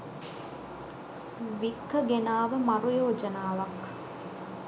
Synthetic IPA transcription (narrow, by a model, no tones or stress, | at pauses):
ʋikːəɡenaːʋəmɐɾujoːd͡ʒənaːʋak